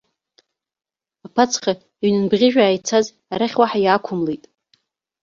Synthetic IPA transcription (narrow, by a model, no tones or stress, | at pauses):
apʰat͡sʰχa | iɥnɨnbʁʲɪʒᶣaːjt͡sʰaz | aɾaχʲwaħajaːkʷʰʊmlejtʼ